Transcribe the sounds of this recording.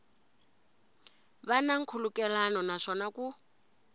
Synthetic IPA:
βanaŋ̩kʰulukɛlanɔnaʂɔnaku

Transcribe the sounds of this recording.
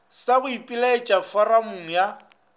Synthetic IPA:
sabʊipʼilaɪt͡ʃʼafaramuŋ̩ja

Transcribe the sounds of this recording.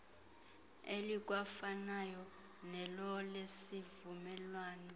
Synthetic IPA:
elik̬ʼwafanajɔ | nɛlɔlesivumɛlwaːnɔ

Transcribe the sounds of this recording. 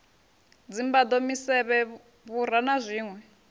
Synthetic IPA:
d͡zimbad̪omisɛβɛ | βuɾanazʷiːŋwɛ

